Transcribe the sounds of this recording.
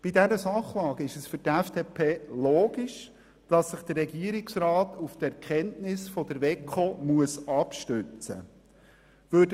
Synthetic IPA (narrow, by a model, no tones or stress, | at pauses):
b̥idɛɾəsɑχlɑːɡ̥əɪʃəsfʏɾtɛfd̥eːpʰeːloːɡiʃ | d̥ɑsːəχd̥̪əːɛɡiəɾɪksrɑːtuftɛɾkʰɛntnɪsfɔd̪əɾvɛkχomuəsɑpʃtʉt͡sə̰ | ʋøːd